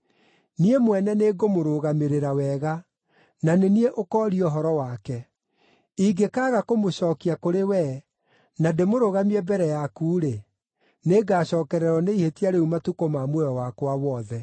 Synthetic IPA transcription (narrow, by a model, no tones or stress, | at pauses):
niemwɛnɛneːɡomoɾoɣameɾeɾawɛɣa | nanenieʔokɔːɾiɔɦɔɾɔwakɛ | iɡekaːɣakomoɕɔːkiakoɾewɛ | nademoɾoɣamiɛbɛɾɛjakuːɾe | neɡaːɕɔːkɛɾɛɾɔneihetiaɾeumatukomamwɛɔwakwawɔðɛ